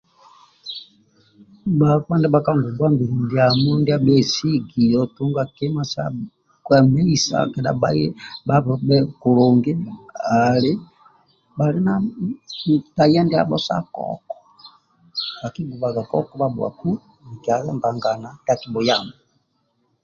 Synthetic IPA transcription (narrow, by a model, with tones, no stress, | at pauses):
ba˨kwa˦ndɛ˦ba˨ka˦ŋɡu˨bwa˦mbi˨ɾu˨ndi˨˦a˨mɔ˦ndi˦a˦ɓɛ˦si˦ɡi˨jɔ˨tu˦ŋɡa˨kɛ˦ma˦sa̰˦ | kwɛ˨mɛ˦i˨sa̰˨kɛ˨da̰˨ɓa̰˦ɛ˦ba˦βɔ˨bɛ˦ku˨lɔ˨ŋɡɛ˦a˨li˦ | ba˨li˦na˦˨ | ta˨i˦a˦ndi˦a̰˨ɓɔ̰˦sa̰˦kɔ̰˦kɔ̥˨ | ba˨ki˦ɡu˨ba˨ɡa˨kɔ̰˦kɔ˦ba˦bwa̰˨ku˦ | ni˨ki˨a˨a˦mba˨ŋɡa˨na˨nda˦˨ki˨bɔ˨ja˦˨mɔ˨